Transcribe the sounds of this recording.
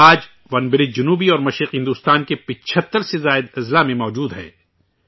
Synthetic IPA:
aːd͡ʒ | ʋɐnbɪɾɪd͡ʒʊnuːbiɔːɾmɐʃɾɪqɦɪ̃nd̪uːst̪aːnkepɪt͡ʃʰət̪ːəɾsezaːɪd̪ɐzlamẽmɔːd͡ʒuːd̪ɦɛ̰̃ː

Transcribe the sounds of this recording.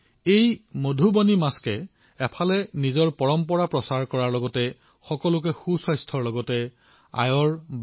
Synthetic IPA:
ejmodʱubɔnimaskɛː | pʰalɛnizɔɹpɔɹɔmpɔɹapɹɔsaɹkɔɹaɹlɔɡɔtɛ | xɔkɔlʊk̬ɛxusɔjstʰɔɹlɔɡɔtɛ | a̰jɔɹb

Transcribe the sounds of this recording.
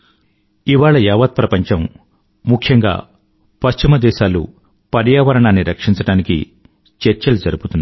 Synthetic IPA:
iʋaːɭɐjaːʋɐt̪̚pɾɐpɐɲt͡ʃɐm | mukʰjɐŋɡa̰ː | pɐst͡ʃimɐd̪ɛːʃaːlṵ | pɐɾjaːʋɐɾɐɳaːnːiɾɐkʂiɲt͡ʃɐɽaːnikḭ | t͡ʃeɾt͡ʃɐlud͡ʒɐɾubut̪unːa

